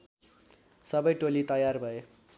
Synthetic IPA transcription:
sʌbʌjʈolit̪ʌjarbʱʌe

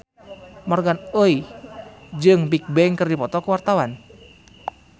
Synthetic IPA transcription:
mɔrɡanəi | d͡ʒɨŋbik̚bɛŋkɨrdipɔt̪ɔkəwart̪awan

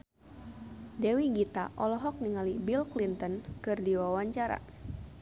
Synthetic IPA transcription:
dɛwiɡit̪a̰ʔɔlɔɦɔk̚niŋalibilklint̪ɔnkɨrdiwawaɲt͡ʃaɾa̰

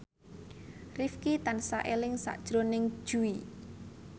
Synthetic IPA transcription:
rifkit̪ansa̰ʔelɪŋsa̰ʔd̥ʒ̥ɾonɪŋd̥ʒ̥ui

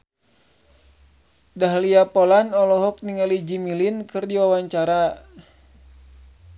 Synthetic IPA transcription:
daɦliapɔlanɔlɔɦɔk̚niŋalid͡ʒimilinkɨrdiwawaɲt͡ʃaɾa

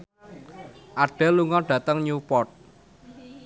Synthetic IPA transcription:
ʔaɖ̥ɛ̤luŋɔɖ̥ä̤t̪əŋɲupɔt̪̚

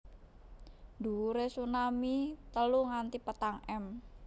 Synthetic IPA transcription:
d̪̥ṳuɾesunamit̪əluŋant̪ipət̪aŋɛm

